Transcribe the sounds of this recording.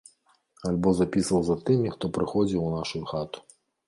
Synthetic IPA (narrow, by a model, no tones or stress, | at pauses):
alʲbɔzapʲisɐwzɐt̪ɨmʲixt̪ɔpɾɨxɔd͡zʲiwnaʂujuxat̪u̥